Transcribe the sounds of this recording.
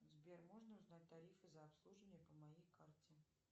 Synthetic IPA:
zbʲermoʐnəʊznat̚ʲt̪ɐɾʲifɨzɐːpslˠuʐɨvənʲɪjəpəmɐjejkartʲɪ

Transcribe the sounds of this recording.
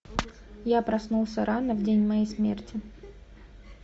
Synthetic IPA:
japɾɐsnulˠsʲəɾanəvdʲenʲmɐjejsmʲḛrtʲɪ

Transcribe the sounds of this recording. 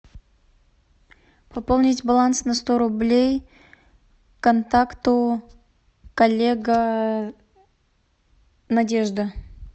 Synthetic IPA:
pɐpolˠnʲitʲbalˠansnɐst̪oɾʊblʲej | kɐnt̪akt̪ʊ | kɐlʲːeɡə | nɐdʲe̞ʐd̪ə

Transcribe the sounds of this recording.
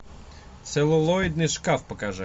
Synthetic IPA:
t̪sɛlˠʊlˠoɪd̪̚nɨjʂkafpəkɐʐɛ

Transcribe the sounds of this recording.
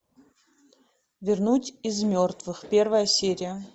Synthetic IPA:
vʲɪrnutʲizmʲort̪vɨxpʲervəjəsʲeɾʲɪjə

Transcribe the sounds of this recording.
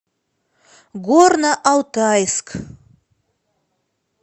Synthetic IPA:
ɡornaʔawt̪ʰajskʰ

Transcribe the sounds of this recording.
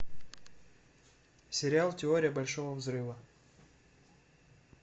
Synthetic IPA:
sʲɪɾʲɪalˠtʲɪo̞ɾʲɪjəbɐlʲʂo̞vəvzrɨvə

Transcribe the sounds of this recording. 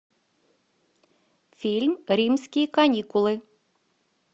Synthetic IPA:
fʲilʲmɾʲimsʲkʲikɐnʲikʊlˠɪ

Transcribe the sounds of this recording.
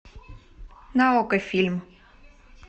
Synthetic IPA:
nɐɔkɐfʲilʲm

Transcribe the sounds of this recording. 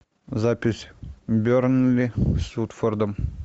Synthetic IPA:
zapʲɪsʲbʲøɾnlʲisut̪fərd̪ɤm

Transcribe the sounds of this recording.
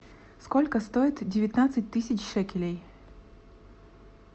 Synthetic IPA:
skolʲkəst̪oɪt̪dʲɪvʲɪt̪nat̪sɨt̚ʲt̪ɨsʲɪt͡ɕʂɛkʲɪlʲej

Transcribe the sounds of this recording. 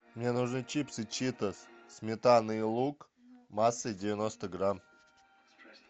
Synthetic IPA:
mnʲenʊʐnɨt͡ɕipsɨt͡ɕit̪əssʲmʲɪt̪anɨlˠuk | masːɨdʲɪvʲɪnost̪əɡɾam

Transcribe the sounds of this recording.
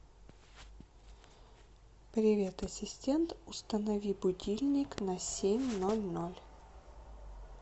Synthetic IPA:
pɾʲɪvʲet̪ɐsʲɪsʲtʲe̞nt̪ʊst̪ənɐvʲibʊdʲilʲnʲɪknɐsʲemʲnolʲnolʲ

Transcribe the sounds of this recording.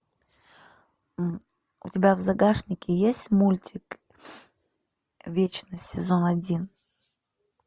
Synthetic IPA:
ʊ̰tʲɪbʲavzɐɡaʂnʲɪkʲɪjesʲtʲmulʲtʲɪk | vʲet͡ɕnəsʲtʲsʲɪzonɐdʲin

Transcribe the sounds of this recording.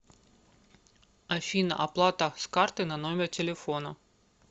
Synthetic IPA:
ɐfʲinə̰ʔɐplˠat̪əskart̪ɨnɐnomʲɪrtʲɪlʲɪfo̞nɐ

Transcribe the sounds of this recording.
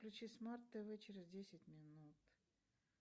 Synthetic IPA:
klʲʉt͡ɕismart̪ːəvɨt͡ɕɪɾʲɪzʲdʲesʲɪtʲmʲɪnut̪

